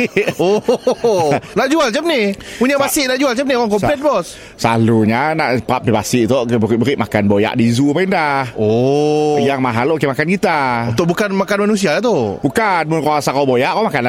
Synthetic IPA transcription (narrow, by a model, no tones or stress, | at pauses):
o | naʔd͡ʒualt͡ʃap̚nɪpuɲabasɪʔnaʔd͡ʒualt͡ʃap̚nioaŋkɔmlɛt̪̚bɔs | sa̰luɲanaʔpap̚pibasɪʔt̪ɔʔbəɪʔbəɾɪʔma̰kanboja̰ʔdizupaindaho | jaŋmaɦalʔokemakankit̪aut̪ʊʔbukanmakanmanus̬iadat̪obukanmʊnkaasakawbojaʔkamakanla